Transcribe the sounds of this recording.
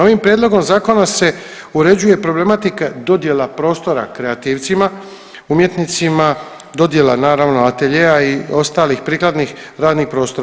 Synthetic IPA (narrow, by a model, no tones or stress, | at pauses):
o̞ʋimpɾʲjed̪lo̞ɡo̞mzaːko̞nase̞ | uɾe̞d͡ʑuje̞pɾo̞ble̞mat̪ikad̪o̞d̪je̞lapɾo̞ːst̪o̞ɾa̰kɾe̞at̪iːʋt̪sima | umje̞t̪nit̪sima | d̪o̞d̪je̞lanaːɾaʋnoat̪e̞ʎe̞jaio̞st̪aːlixpɾiːklˠad̪nixɾaːd̪nixpɾo̞ːst̪o̞ɾa